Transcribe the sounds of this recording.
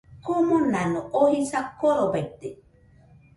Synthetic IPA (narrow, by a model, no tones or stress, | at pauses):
komonanoʔohisakoɾobet̪e